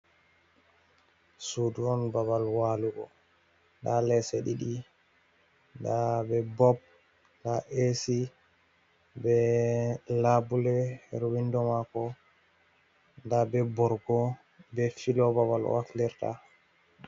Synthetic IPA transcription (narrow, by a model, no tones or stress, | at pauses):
suduɔnbaβalwaluɡɔ̰ | ndalɛseɗiɗi | ndabɛbɔb̚ | ndaʔesi | bɛ | labulɛhɛɾwindɔmakɔ | ndabɛbɔɾɡɔ | bɛfilɔbaβal̰a̰kliɾta̰